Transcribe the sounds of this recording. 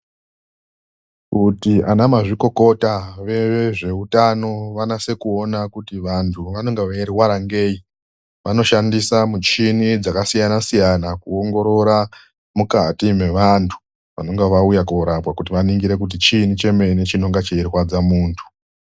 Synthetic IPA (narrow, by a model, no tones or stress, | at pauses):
kutiʔanamaʐiko̞ko̞taʋe̞eʐe̞utano̞ʋanase̞kuo̞nakutiʋantʰuʋano̞ŋɡeʋairwaɾaŋɡe̞ːi | ʋano̞ʃandisamut͡ʃinid͡zakasijanasijanakuoŋɡo̞ɾo̞ɾa | mukatime̞ʋantʰu̥ | ʋa̰no̞ŋɡeʋaujakoɾapwakut̬iʋaniŋɡiɾe̞k̬ut̬it͡ʃinit͡ʃe̞me̞ne̞t͡ʃino̞ŋɡat͡ʃeirwad͡zamuːntʰu̥